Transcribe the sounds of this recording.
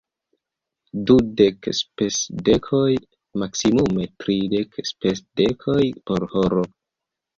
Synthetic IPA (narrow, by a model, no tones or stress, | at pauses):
dudekspesdekʰo̞j | maksimume̞tɾide̞kspesdekʰo̞jpo̞ɾhoɾo